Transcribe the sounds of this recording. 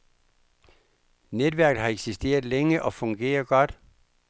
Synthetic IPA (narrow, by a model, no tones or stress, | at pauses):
ned̥ʋæɐɡ̥əð̩ˠhɑ̈eɡ̥sisd̥e̝̰ːɐð̩ˠleŋəʔɒ̽fɔ̽ŋɡ̥e̝̰ːɐɡ̥ɒ̽d̥